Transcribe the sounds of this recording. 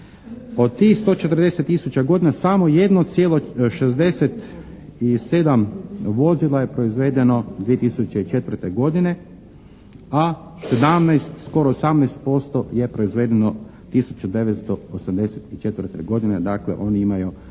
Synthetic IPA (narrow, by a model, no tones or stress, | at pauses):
o̞d̪̚t̪ixst̪o̞t͡ʃe̞t̪ɾ̩d̪e̞set̪ːisut͡ɕaɡo̞d̪inasamo̞je̞d̪not̪sjeːlo̞ʃe̞zd̪e̞se̞t̪ | ise̞d̪amʋo̞zilaje̞pɾo̞izʋe̞ːd̪e̞no̞d̪ʋie̞t̪isut͡ɕe̞it͡ʃe̞t̪ʋər̩ɾt̪e̞ɡo̞d̪ine̞ | ase̞d̪amnajst̪sko̞ɾoːsamnɛjst̪̚po̞st̪o̞je̞pɾo̞izʋe̞ːd̪eno | t̪isut͡ʃud̪e̞ʋet̪st̪o̞osamd̪eset̪it͡ʃe̞t̪ʋr̩t̪e̞̰ɡo̞d̪ine̞d̪akle̞̰ʔo̞ːniimaju